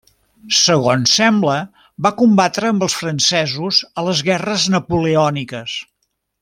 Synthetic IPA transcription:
səɣonsːɛmblə | bakumbat̪ɾəːmbəlˠsfɾənsɛzuzələzɣɛrəznəpuleɔnikəs

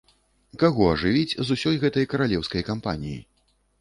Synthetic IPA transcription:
kaɣɔɐʐɨvʲit͡sʲzusʲɔjɣɛt̪ɐjkɐɾalʲɛwskɐjkampanʲijḭ

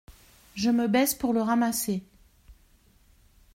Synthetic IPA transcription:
ʒəməbɛspuʁləʁamase

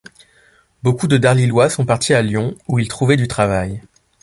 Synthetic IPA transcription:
bokud̪əd̪aʁlilwasɔ̃paʁt̪ʰialjɔ̃uilt̪χuvɛd̪yt̪χavaj

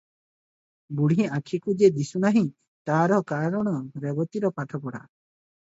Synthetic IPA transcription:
buɽ̤ĩakʰikud͡ʒed̪isunaɦĩ | t̪aɾɔkaɾɔɽ̃ɔɾebɔt̪iɾɔpaʈʰɔpɔɽa̰

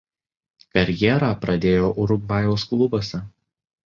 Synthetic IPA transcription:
kɐɾʲjɛɾɑːpɾɐd̪ʲeːjoːʔʊɾʊɡʋɑjoːsklˠʊbɐsʲɛ

